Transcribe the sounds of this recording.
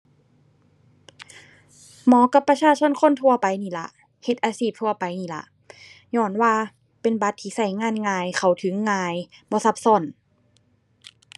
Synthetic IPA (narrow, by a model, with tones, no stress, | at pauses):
mɔː˨˦ka˧˦pːɾa˧t͡ɕʰaː˧˨t͡ɕʰo˧˥˨nkʰo˧˥˨nt̪ʰu˧ɐpa˨jniː˧˩˨la˧ʔ | he˧t̪̚ʔaː˨˧˦siː˧˩p̚t̪ʰu˧˩ɐpa˨jniː˧˩la̰˧˦ʔ | ɲɔː˧˩˨nwaː˧˨ | pe˨nba˧˦t̪ʰːiː˧˨sa˧˩jŋaː˧˥˨nŋaː˧jkʰa˧˩wt̪ʰɯ˨˦ŋːaː˧jbɔː˧˦sa˧˦p̚sɔ˧˨n